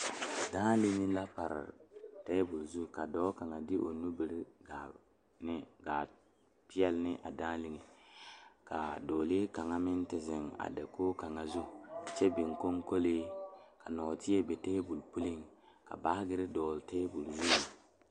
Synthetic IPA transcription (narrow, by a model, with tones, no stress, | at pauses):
daː˦li˦ŋi˦la˦pa˨ɾ̰teː˦bu˨lzu˦ka˨dɔː˦ka˨ŋa˨dɪ˦ʔo˨nu˦bi˨ɾɡa˨ | nɪ˦ɡaː˨ | pɪ˦ɛ˦lnɪ˦ʔa̰˨daː˦li˦ŋi˨ | ka̰˨do˨le˦ka˨ŋa˦mɪ˦n˦tɪ˨zɪ˨ŋa̰˨da˨koː˦ka˨ŋa˨zu˦˨t͡ʃɛ˦bɪ˨ŋko˦ŋko˦le˦ka˨nɔ˨tɪ˦e˦be˨teː˦bu˨lpu˦li˦ŋ | ka̰˨ba˨˦ɡɪ˦ɾɪ˦dɔː˨lte˦bu˨lzu˦˨